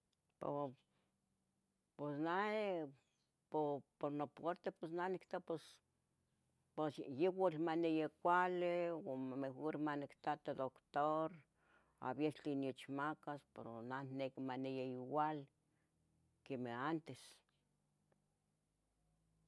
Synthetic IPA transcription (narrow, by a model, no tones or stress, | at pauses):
po̰ | pesna | popoɾnopeɾt̪eposnanikt̪apos | posjewalmanejekʷalewomamexoɾmanikt̪at̪ed̪okt̪oɾ | a̰βjet͡ɬinjot͡ʃmakaspeɾonannekmanejaiwal | kemeant̪es